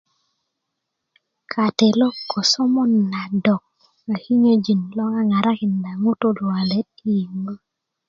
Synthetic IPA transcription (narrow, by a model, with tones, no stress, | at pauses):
kʰa˨te˨lɔ˦kːɔ˨sɔ˦mɔ˦nːa˨dɔ˨k̚ | a˨ki˦ɲo˦d͡ʒi˨nlɔ˦ŋa˦ŋa˨ɾa˦kɪ˨nda˨ŋo˦to˦lwa˨le˦t̚i˨i˨ma˦